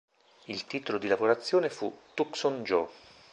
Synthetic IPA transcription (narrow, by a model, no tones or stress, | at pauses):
ilt̪iːt̪olod̪ilaboɾat̪sːjoːnefut̪ːuksond͡ʒɔ